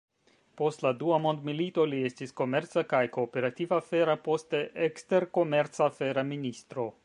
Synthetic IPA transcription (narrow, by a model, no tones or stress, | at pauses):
po̞stladuamo̞ndmilito̞lie̞stisko̞me̞ɾt͡sakajko̞ːpe̞ɾativafe̞ɾapo̞steʔekste̞ɾko̞me̞ɾt͡safe̞ɾaministɾo̞